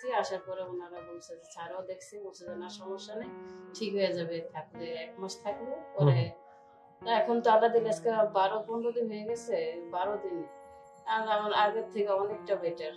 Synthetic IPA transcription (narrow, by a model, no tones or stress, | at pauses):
iaʃaɾpɔɾeunaɾabumsad͡ʑt͡ɕʰaɾaod̪ekʰsʰimumsad͡ʑanaʃɔmoʃːanajʈʰikɦojed͡ʑaβet̪ʰak̚leɛkmaʃt̪ʰaklopɔɾe | ɛkʰont̪oalːad̪ilaskabaɾopɔnod̪inɦojeɡɛt͡ɕʰebaɾod̪in | alamaɾaɡeɾt̪ʰːekeɔnek̚ʈabeʈaɾ